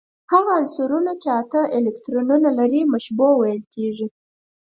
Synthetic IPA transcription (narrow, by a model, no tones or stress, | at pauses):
haɣaːnsuɾunat͡ʃeat̪aʔelɪkt̪ɾonunalaɾimaʃbowajəlkeʐi